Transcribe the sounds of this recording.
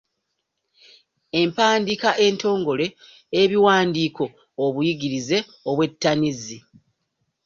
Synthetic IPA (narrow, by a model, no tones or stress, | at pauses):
e̞mpaːndikaʔe̞nto̞ːŋɡo̞le̞ː | βiwaːndiːko̞ː | βujiɡiɾize̞ | oβwe̞tːanizi